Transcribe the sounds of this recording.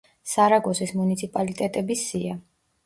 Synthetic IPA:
saɾaɡɔsismunit̪sʰipʼalit̪ʼɛt̪ʼɛbisia

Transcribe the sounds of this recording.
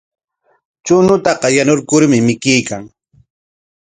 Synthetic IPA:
t͡ʃʊnʊt̪ɑqɑjanoɾkʊɾmɪmɪkɪjkaŋ

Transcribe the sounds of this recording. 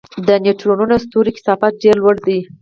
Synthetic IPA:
d̪əneʈɾonunost̪uɾikɪ̥sɑfat̪̚ɖeɾlwəɽd̪i

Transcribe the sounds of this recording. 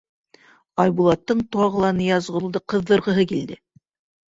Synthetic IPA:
ɑjbulˠɑt̪ːɤɴt̪uɑʁɤ̆lˠɑnɤjɑzʁɤ̆lˠd̪ɤqɤ̆ðːɤ̆ɾʁɤ̆ɦɤkild̪ɘ

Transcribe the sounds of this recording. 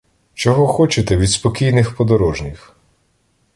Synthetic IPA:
t͡ʃɔɦɔxɔt͡ʃɪt̪ɛʋʲid̪spɔkʲijnɪxpɔd̪ɔɾɔʒnʲix

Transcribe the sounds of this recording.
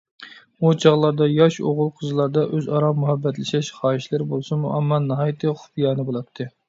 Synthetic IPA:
ut͡ʃʰɑʁlˠɑɾd̪ɑjɑʃo̰ʁʊlˠqʰəzɨlˠɑɾd̪ɑʔøzɑɾɑmuhɛbːɛt̪lɪʃɛʃχɑːiʃlɪɾbolˠsumuɑmːɑnɑɦɑjt̪ʰɨχʊ̥pijɑːnɨbolˠɑp̚t̪ʰːɨ

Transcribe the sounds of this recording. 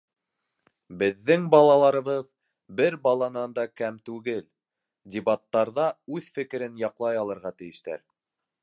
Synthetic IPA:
bɘ̆ðːɘŋbɑlˠɑlˠɑɾɤ̆βɤð | bɘɾbɑlˠɑnɑnd̪ɑkæmt̪ʉɡɘl | dʲɪbat̪ːɑɾðɑʉðfɘ̆kɘ̆ɾɘnjɑqlˠɑjɑlˠɤ̆ɾʁɑt̪ɘ̆jɘ̆ʃt̪æ̰ɾ

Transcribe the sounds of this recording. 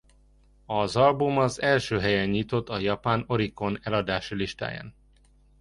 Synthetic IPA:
ɒzɒlbumɒzɛlʃøːɦɛjɛɲɲit̪o̞t̪ːɒjɒpaːno̞ɾiko̞nɛlɒd̪aːʃiliʃt̪a̰ːja̰ːn

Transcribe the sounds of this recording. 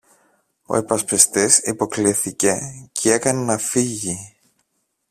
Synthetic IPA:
o̞̰epɐspest̪isipo̞kliθice̞cʰee̞kɐnenɐfiʝi

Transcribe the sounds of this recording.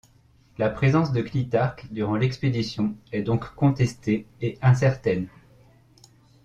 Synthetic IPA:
lapχezɑ̃sd̪əklit̪aʁkd̪yʁɑ̃lɛksped̪isjɔ̃ɛd̪ɔ̃kːɔ̃t̪ɛst̪eːɛ̃s̬ɛʁt̪ɛn

